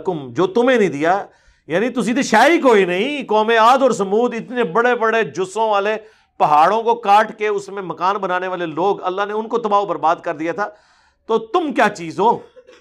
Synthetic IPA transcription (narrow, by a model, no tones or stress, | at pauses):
kʊmd͡ʒoːt̪ʊmẽːnĩːd̪ɪjaː | jaːnit̪ʊsĩt̪̬eʃaːikoːinɐɦĩkɔːmeaːd̪ɔːɾsəmuːd̪ɪt̪nebəɽebəɽed͡ʒʊsõːʋaːle | pɐɦaːɽõkokaːʈkeʊsmẽmɐkaːnbənaːneʋaːleloːɡɐ̰lːaːɦneʊnkot̪əbaːobəɾbaːd̪kəɾd̪ijaːt̪ʰaː | t̪oːt̪ʊmkjaːt͡ʃiːzõː